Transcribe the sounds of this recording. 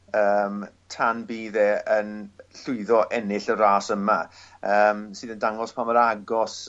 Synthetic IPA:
əːm | tʰanbiːðeːənɬʊɨðɔʔɛnɪɬəɾaːsəmaəːmsɨːðəndaŋɔspʰaməɾaɡɔs

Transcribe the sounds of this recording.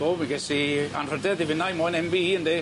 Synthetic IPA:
boːiɡɛsia̰nr̥ədɛðɪvɪnajmoːjnɛmviiːəndeː

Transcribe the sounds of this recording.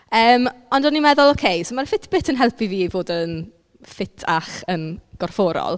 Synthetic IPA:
əːmɔndɔnimɛðʊlˠokʰejsomarfɪtʰb̥ɪtʰənɦɛlˠpʰiviːvoːdən | fɪtʰaχənɡ̥ɔrfɔːɾɔ̰lˠ

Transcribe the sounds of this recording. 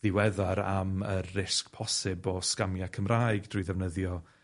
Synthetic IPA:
ðɪwɛðaɾaməɪskpʰɔsɪbɔskamjakʰəmraːjɡd̥rujðɛvnəðjɔ

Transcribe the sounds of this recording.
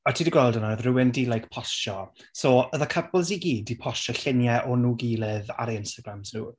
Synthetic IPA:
ɔtʰiːdiɡwɛlˠdɔnaðrɨwɪndilˠajkpʰɔsɔ | soːəðakʰəblˠziɡiːdipʰɔʃɔɬɪnjɛʔɔnuːɡiːlˠɪða̰ɾiɪnstaɡɾamznuː

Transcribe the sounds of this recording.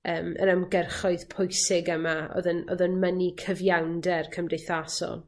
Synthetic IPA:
əːmə̰ɾəmɡɛrχɔɨðpʰʊjsɪɡəmaɔ̰ðənɔ̰ðənmənikʰəvjawndɛrkʰəmdejθasɔ̰lˠ

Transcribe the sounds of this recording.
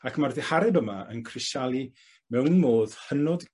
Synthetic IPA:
akʰmarðɪhaɾɛbəmaə̰nkʰrɪʃalˠi | mɛwnmoːðhənɔd

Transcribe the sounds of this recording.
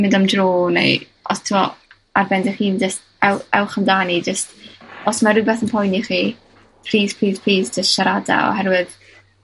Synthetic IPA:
mɪndamdroːnḛj | ɔstʰɪmɔ | arbɛndɪχiːnd͡ʒəst | ɛwɛwχəmdaːnid͡ʒəstɔsmaɾɪbɛθənpʰɔjniχi | pʰr̥iːz̥pʰr̥iːzpʰiːzd͡ʒəstʃaɾada̰ɔ̰ɦɛɾwɨð

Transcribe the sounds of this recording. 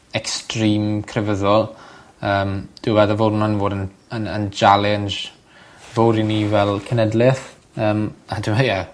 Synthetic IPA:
ɛkstriːmkʰrɛvəðɔlˠ | əːmd̥ɪwɛðəvodnanvoːdən | ənə̰nd͡ʒalˠɛnd͡ʒ | voːɾinivɛlˠkʰənɛdlɪθ | əːmadɪməja

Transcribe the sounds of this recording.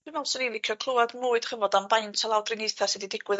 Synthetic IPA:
ɨmɛlˠsɔnilˠɪkʰjɔkʰlˠʊadmuːɨd̥rəvɔdamvajntʰalˠawdrɪniθasɛdidɪɡ̥wɨð

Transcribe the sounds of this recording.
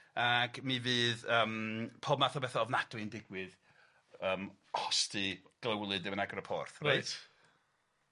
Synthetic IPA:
aɡmivɨːðəːmpʰoːbmaθɔbɛθɔɔvnadwɪndɪɡwɨð | əːmkʰɔstɨɡ̥ləwlˠɨdɪmənaɡrɔpʰɔ̰rθrajt

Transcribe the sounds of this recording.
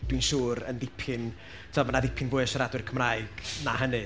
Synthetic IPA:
d̥winʃuːɾə̰nðɪpʰɨn | tʰmamanaðɪpʰɪnvʊɨʃəɾadwɪrkʰəmraɨɡ̥naɦənɨ

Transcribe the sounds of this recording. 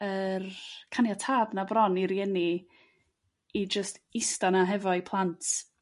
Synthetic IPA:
ərkʰanjatʰaːbnabrɔniɾjɛni | id͡ʒəstɪstanaɦɛvɔipʰlˠantʰ

